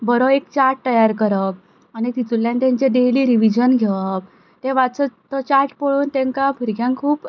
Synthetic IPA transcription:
bəɾoekt͡ɕaɾʈt̪əjaɾkəɾəp | añit̪it̪ulːjãnt̪ɛ̃ɲt͡ɕed̪eliɾiʋid͡ʑənɡʱeʋəp̚ | t̪eʋat͡sət̪ɔt͡ɕaɾʈpəɭuːnt̪ɛ̃ŋkapiɾɡjãŋkʰuːp

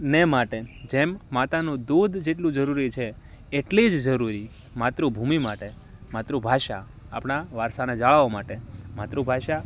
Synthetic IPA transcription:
nemaʈed͡ʒemːat̪anũd̪ud̪d͡ʒeʈlũd͡ʒəɾuɾit͡ʃʰeː | ʈlid͡ʒd͡ʒəɾuɾi | mat̪ɾubʱumimaʈe | mat̪ɾũbʱaʃa | a̰pɳaʋaɾsaned͡ʒaɭaʋomaʈemat̪ɾubʱaʃa

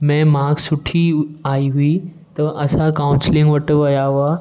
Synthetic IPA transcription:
mɛ̃ːmaːksʊʈʰiaːiɦʊi | t̪ɐʔɐsãkaːʊ̃nslɪ̃ŋɡʋɐʈ̆ʋɐjaɦʊaː

